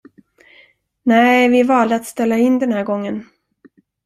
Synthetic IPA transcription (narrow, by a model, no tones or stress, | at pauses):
næɪvɪævɑːld̪at̪st̪ɛlːaɪnːd̪ɛnhæːɾɡɔŋːən